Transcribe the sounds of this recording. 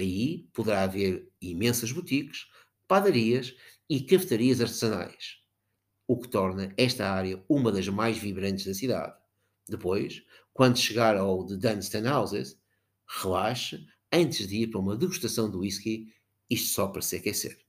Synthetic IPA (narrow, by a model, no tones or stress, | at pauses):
ɐipuðɨɾaɐveɾimẽsɐʒβut̪iɣɨ̥ʃ | paðɐɾiɐʃ | ikɐfɨt̪ɐɾiɐzɐɾt̪ɨzɐna̰jʃ | ukɨ̥t̪ɔɾnɐɛʃt̪ɐaɾjɐumɐðɐʒmajʒviβɾɐ̃nt̪ʒðɐsiða̰ð | d̪ɨpojʃ | kwɐ̃nd̪uʃɨɣaɾawðɨd̪ɐ̃nʃt̪ɐ̃nawzɛz | ʁɨlˠaʃɨ | ɐ̃nt̪ɨʒðɨiɾpɐɾɐumɐðɨɣuʃt̪ɐsɐ̃w̃d̪uiʃki | iʃt̪u̥sɔpɐɾɐsɛkɛseɾ